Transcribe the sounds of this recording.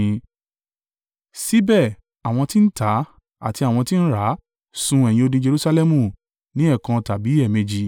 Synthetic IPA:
si˦bɛ˦˨ | a˨w̃ɔ̃˧ti˦n̩˦ta˨˦ | a̰˨ti˧a˨w̃ɔ̃˧ti˦ñ̩˦ɾa˨˦ | sũ˧˦ɛ˨j̃ĩ˧o˧dĩ˧d͡ʒe˧ɾu˦sa˧lɛ˦mũ˧˨ | nĩ˨˦ɛ˦˨kã˧ta˨bi˨˦ɛ˦˨me˧d͡ʒi˧

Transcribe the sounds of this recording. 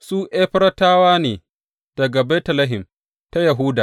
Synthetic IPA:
suː˦ʔeː˦ɸɪ˦ɾɐ˦taː˦waː˦neː˨ | d̥ɐ˨ɡa˨bɛ˦tɐ˨lɐ˦ɦɪ˨m | ta˦jɐ˨ɦu˦da̰ː˨

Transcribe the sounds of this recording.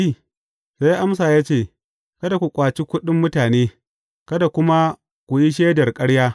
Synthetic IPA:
i˦˨ | sa˦jʔa˦ms̬aː˨jaː˦t͡ʃeː˦˨ | kɐ˦da˨kʷu˨kʷʼaː˨t͡ʃi˦kʷʊ˦ɗɪ˦mːʊ˦taː˨neː˦ | kɐ˦da˨kʷʊ˦ma˦ | kʷu˨ji˦ʃ̬eː˦dɐ˨rkʼɐ˦ɽjaː˦

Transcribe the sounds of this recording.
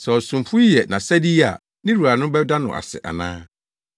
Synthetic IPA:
sɛ˨ɔ˨sũ˨mfʊ˦jɛ˨nã̰˨sɛ˦di˦a̰˨ | nɪ̃˦ɾu˨a˨nʊ̃˦bɛ˦da˦nʊ̰̃˨ʔa̰˨sɛ̰˨ʔa̰˨nã̰ː˦

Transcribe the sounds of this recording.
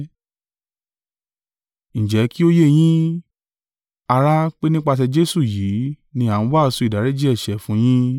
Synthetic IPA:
ñ̩˨d͡ʒɛ˨˦ki˦o˦je˦˨j̃ĩ˦ | a˧ɾa˦k͡pe˦nĩ˦k͡pa˧t̬ɛ˧d͡ʒe˦su˦˨jiː˨˦ | nĩ˧a˨ñ̩˨˦wa˦˨˧sũ˧i˨da˨˦ɾe˦d͡ʒi˦ɛ˦˨ʃɛ˨fũ˨˦j̃ĩ˦

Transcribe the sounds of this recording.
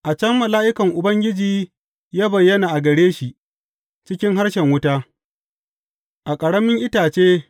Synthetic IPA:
ʔa˨t͡ʃɐ˦mːɐ˨laː˦ʔɪ˦kɐ˨ŋʔʊ˨bɐ˦ŋɡʲɪ˦d͡ʒiː˨ | jaː˦bɐ˨jːɐ˦naː˨ʔa˨ɡɐ˨ɽeː˦ʃi˨ʔ | t͡ʃɪ˦kʲɪ˦ŋɦa˦rʃɛ˨ŋwʊ˦taː˦ | ʔa˨kʼɐ˨ɽɐ˦mɪ˦ŋʔɪ˦taː˨t͡ʃeː˦

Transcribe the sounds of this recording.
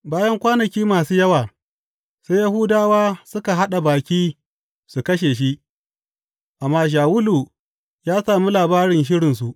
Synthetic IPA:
baː˦jɐ˦ŋkʷaː˦nɐ˨kʲiː˦maː˨suː˦jɐ˦waː˨ | se˦jɐ˦hʊː˦daː˦waː˦sʊ˦ka˨ɦa˦ɗa˨baː˨kʲiː˦ | su˨kɐ˦ʃ̬eː˨ʃ̬i˦ʔ | ʔa˨mːaː˦ʃ̬aː˨wʊ˦luː˨ | jaː˦saː˨mu˦laː˨baː˦ɽɪ˨nʃɪ˦ɽɪ˨ns̬u˨ʔ

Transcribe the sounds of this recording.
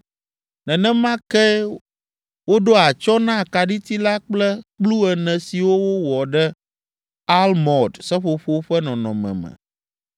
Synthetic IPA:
nɛ̃˨nɛ̃˦mã˦kɛ˦ | wo˦ɖo˦a˨t͡ʃɔ˦nã˦˨ka˨ɖi˦t̪i˦la˦k͡plɛ˦k͡plu˦ɛ˨nɛ̃˨si˨wo˦wo˦wɔ˨ɖɛ˦ | a˦lmɔ˨dsɛ˦ɸo˨ɸo˦ɸɛ˦nɔ̃˨nɔ̃˨mɛ̰̃˨mɛ̰̃˨

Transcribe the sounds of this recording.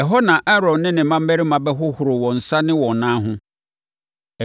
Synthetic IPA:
ɛ˨ɦɔ˦nã˨ʔɛ˦ɾɔ̃˨nːɪ̃˦nɪ̃˨m̩˦mã˦m̩ː˦ɛ˦ɾi˦mã˨bɛ˦ɦʊ˦hʊ˨ɾʊ˨wɔ̃˨n̩˨sa˦nɪ̃˦wɔ̃˨nãː˦ɦʊ̃˦˨

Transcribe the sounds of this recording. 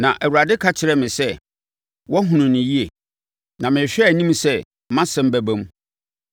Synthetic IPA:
nã˨ʔæ˨wu˨ɾa˨dɪ˦kʰa˦t͡ɕʰɪ˨ɾɛ˦mɪ̃˨sɛ˦ | wɔ˦ɦʊ̃˨nʊ̃˨nɪ̃˨ji˦e˨ | nã˨mɪ̃˨ɕᶣɛ˦˨nĩ˦msɛ˦˨ | mã˦sɛ̃˦m̩˦bæ˦bæ̃˦m˦

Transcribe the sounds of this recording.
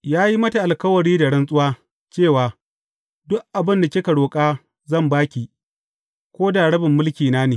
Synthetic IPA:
jaː˦ji˦mɐ˦ta˨ʔa˨lkɐ˦wɐ˨ɽiː˦da˨ɽɐ˦nsʼʊ˦waː˦ | t͡ʃeː˦˨waː˨ | dʊ˦ʔʔa˨bɪ˦nda˨kʲɪ˦kɐ˨ɽoː˨kʼaː˦ | zɐ˦˨mbaː˦kʲiː˨ | kʷoː˦daː˨ɽɐ˦bɪ˨mːʊ˦lkʲiː˨naː˦neː˨

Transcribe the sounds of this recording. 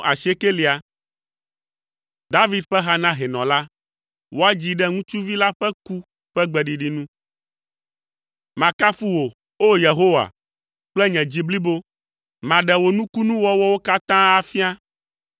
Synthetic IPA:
a˨ʃe˦ke˦li˨a˨ | d̪a˦vi˦d̪̚ɸɛ˦ɦa˦nã˦ɦɛ˨nɔ̃˨la˦ | wo˦a˦d͡ʑi˨ɖɛ˦ŋũ˦t͡ʃu˦vi˦la˦ɸɛ˦ku˦ | ɸɛ˦ɡ͡bɛ˨ɖi˨ɖi˦nũ˦ | mã˨ka˦fu˦wo˨ | o˦je˨ɦo˦wa̰˨ | k͡plɛ˦ɲɛ̃˨d͡ʑi˦bli˦bo˦ | mã˨ɖɛ˨wo˨nũ˦ku˦nũ˦wɔ˦wɔ˦wo˦ka˦t̪ã˦a˦fi˦a˦

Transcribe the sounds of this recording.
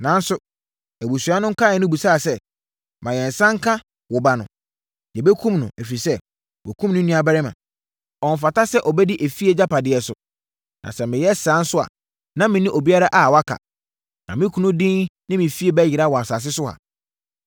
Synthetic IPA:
nã˨n̩˦sʊ˨ | æ˨bu˨su˨a˦nʊ̃˦ŋ̩˦kʰa˦˨ɛ˨nʊ̃˦bu˨saː˦˨sɛ˦ | mã˨jɛ̃˨n̩˨sã˦ŋ̩˦kʰa˦ | wʊ˨ba˨nʊ̰̃˨ | jɛ˨bɛ˦kʰũ˦mnʊ̰̃˨æ˨fi˨sɛ˦ | wɔ̰˨kʰũ˦mnʊ̃˦nĩ˦a˨bɛ˦ɾɪ˦mã̰˨ | ɔ˨ɱ˨fa˨ta˦sɛ˦ʔɔ˨bɛ˦di˦ʔæ˨fi˦e˦d͡ʑa˦pa˨dɪ˨ɛ˨sʊ˨ | nã̰˨sɛ˨mɪ̃˨jɛ˦sã˨˦n̩˦sʊ˦a̰˨ | nã˦mɪ̃˨nɪ̃˦ʔo˨bi˦a˦ɾa˦ʔa˨wa˦kʰa̰˨ | nã˨mɪ̃˦kʰũ˨nʊ̃˦dɪ̃˦nnɪ̃˦mɪ̃˨fi˦e˨bæ˦jɪ˨ɾa˦˨wɔ˨a˨sa˨s̬ɪ˦sʊ˦a̰˨

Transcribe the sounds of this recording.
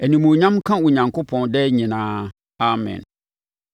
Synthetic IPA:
ɛ˨nĩ˨mũ˨ɲã˦mkʰã˦wʊ˨ɲã˨ŋkʰʊ˦pʰɔ̃˨ndɛ˦ɲĩ˨nãː˦ | a˨mɛ̰̃˨n

